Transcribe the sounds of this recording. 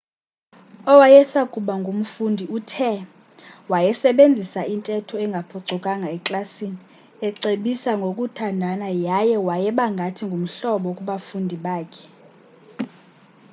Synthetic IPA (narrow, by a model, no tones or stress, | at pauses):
ɔwajɛsakʼuɓaŋɡʱum̩fundʱiutʰɛ | wajɛsɛɓend͡zʱisaintʼɛtʰɔɛŋɡʱapʰɔǀʱɔkʼaŋʱaɛkʼlasini | ɛǀeɓisaŋɡʱokʼutʰandʱanajajɛwajɛɓaŋɡʱatʰiŋɡʱum̩ɬɔɓɔkʼuɓafundʱiɓaːkʰɛ̥